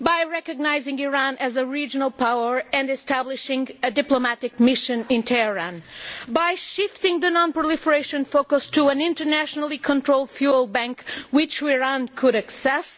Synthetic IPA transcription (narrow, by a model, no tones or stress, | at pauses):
bajɹɛkɨɡ̚naɪzɪ̃ŋiɹãnɨzɨɹid͡ʒɨnəlˠpawə˞ɨ̃ndɨstæblɪʃɪ̃ŋɨdɪplomætɪkmɪʃɨ̃nɪ̃ntʰɛəɹãnbajʃɪftɪ̃ŋðɨnɔ̃npɹolˠifəɹeɪʃɨ̃nfokɨstuə̃nɪ̃ntə˞næʃɔnəl̩ˠikʰɔ̃ntɹoʊlˠd̥fjulˠbæ̃ŋkwɪt͡ʃiɹãnkʰɨɾɨksɛs